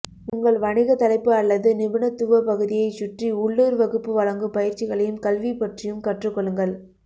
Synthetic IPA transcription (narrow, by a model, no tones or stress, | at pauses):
ʊŋɡɐɭʋɐɳɪɣɐt̪ɐlɐɪpːɯɐlːɐðɯnɪʋɯɳɐt̪ːuʋɐpɐɣɯðɪjɐɪsʊʈriʊɭːɯːɾʋɐɣɯpːɯʋɐlɐŋɡɯpɐjɪɾt͡ʃɪɣɐɭɐjɯmkɐlʋipɐʈrɪjɯmkɐʈrɯkːɔɭːɯŋɡɐɭ